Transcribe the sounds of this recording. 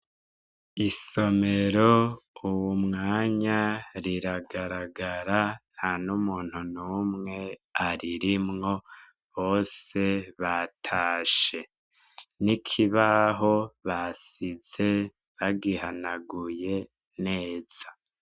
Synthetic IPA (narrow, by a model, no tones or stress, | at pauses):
iso̞me̞ɾouwumŋaːɲaɾiɾaɡaɾaɡaɾan̥hanumuːn̥hunuːmŋe̞aɾiɾimŋo̞ | βo̞ːse̞βatʰaːʃe̞ | nikʰiβaɦo̞βasize̞ | βaɡihanaɡuje̞ | ne̞ːz̥ḁ